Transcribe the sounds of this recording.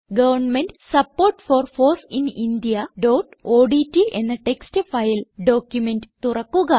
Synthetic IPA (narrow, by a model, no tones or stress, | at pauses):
ɡɐʋɐrɳmenɖsɐpːoːrʈfoːrfoːsinind̪ijɐɖoːʈoːɖitːiʔe̞̰nːɐʈe̞kstɨfɐjlɖo̞ːkjumendɨt̪urɐkːuɣɐ